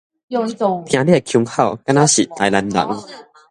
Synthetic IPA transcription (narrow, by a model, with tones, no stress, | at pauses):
o˧˨j̃ã˧li˦˥˨kʰju˧ŋhʰa˥˩wka˦˥na˦˥ɕḭ˨˩t̪a˧jla˧nla̰˨˩˦ŋ